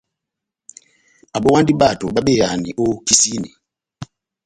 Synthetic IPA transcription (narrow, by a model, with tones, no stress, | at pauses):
a˨ɓɔ˦wa˦ndi˦ɓa˦˨to˨ɓa˦ɓɛ˦˨ja˨nḭ˨ʔo˦ki˦si˦ni˨